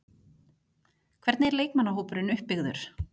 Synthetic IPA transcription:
kʰvɛɾt̪nɪɛɾleːjkmanːaɦoːwpʏɾɪnʏhpːɪɣðʏɾ̥

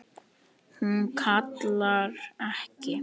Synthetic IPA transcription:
hunkʰat̪laɾɛhcɪ

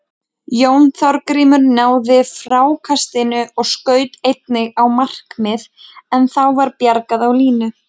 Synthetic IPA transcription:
jownθɔɾkɾiːmʏɾnaːwðɪfɾaːwkʰast̪ɪnʏʔɔɣskœːɥt̪ejt̪̚nɪɣawmar̥kmɪð | ɛnθawvaɾpjaɾkaðawliːnʏ

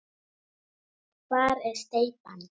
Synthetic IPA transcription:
paɾest̪ejpan

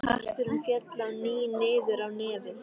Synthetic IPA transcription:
aht̪ʏɾʏmfjɛt̪lawniːneːjðʏɾawnɛːvɪ

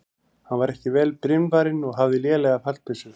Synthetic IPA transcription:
hanvaɾɛhcɪvɛːlpɾɪnvaɾɪnɔɣɦavðɪljɛːlɛɣafal̥t̪ʏsʏ

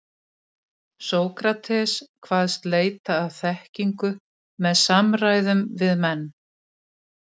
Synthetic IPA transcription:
soːwkɾat̪ʰɛskʰvaːðst̪leːjt̪aːwθɛhciŋkʏ | mɛðsamɾajðʏmvɪðmɛnː

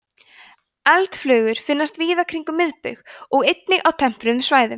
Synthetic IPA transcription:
ɛlt̪flœːɣʏɾ̥fɪnːast̪viːðakʰɾiŋkʏmɪðpʏ̰ɣɔɣejt̪nɪɣawt̪ʰɛm̥pɾʏnsvaːjðʏm

